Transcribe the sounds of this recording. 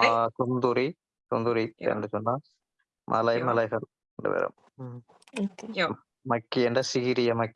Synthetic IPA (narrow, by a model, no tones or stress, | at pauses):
asund̪uɾi | sund̪uɾiḛnɖɯt͡ʃɔnːaː | mʔɐ̰lɐjmɐlɐjfɐl | nɖɐ̰ʋḛɾɐ̰m | mɐkːiɛɳɖɐsɪɣiɾɪjɐmɐkː